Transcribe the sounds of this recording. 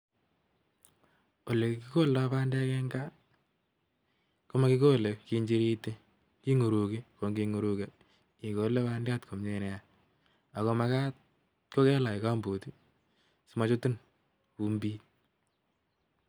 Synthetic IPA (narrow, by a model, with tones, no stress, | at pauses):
o˨le˨ki˦ko˦lapa˦nda˦kɛ˦ŋɡa˦ | ko˦ma˦ki˦ko˦le˨ki˦ɲd͡ʒi˦ɾi˦te˦ | ki˦ŋu˨ɾu˨ki˦ko˨ŋɡi˦ŋu˨ɾu˦ke˨ | i˨ko˨˦le˦paː˦ndɪ˦a˦tkʰo˨mɲe˨nɛ˨a | a˨ko˨ma˦ka˦t̚ | ko˦kɛ˦la˨i˨ka˦mbo˨ti˦ | si˨ma˨t͡ʃo˦tu˦n | u˨mbiː˦t̚